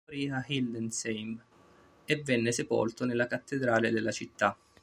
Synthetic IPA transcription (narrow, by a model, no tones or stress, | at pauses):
ɾiahild̪ɛnsejm | evːɛnːesepo̰lt̪onelːakat̪ːed̪ɾaːled̪elːat͡ʃit̪ːa